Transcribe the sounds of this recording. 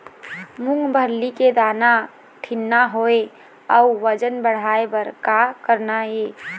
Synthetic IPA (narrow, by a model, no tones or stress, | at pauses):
mʊŋɡbʱəɾliked̪ana | ʈʰinːaɦoe | əuʋəd͡ʒənbəɽ̤aebəɾkakəɾnae